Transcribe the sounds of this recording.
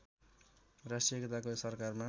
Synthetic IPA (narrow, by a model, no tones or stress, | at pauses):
rasʈiʌkʌt̪akosʌrkarma